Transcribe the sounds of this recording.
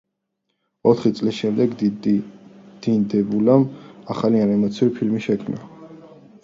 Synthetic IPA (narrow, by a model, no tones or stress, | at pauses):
ɔt̪ʰχit̪sʼlisʃɛmd̪ɛɡd̪ | d̪̥ind̪ɛbulamaχalianɛmɔt̪sʰiuɾipʰilmiʃɛkʰmna̰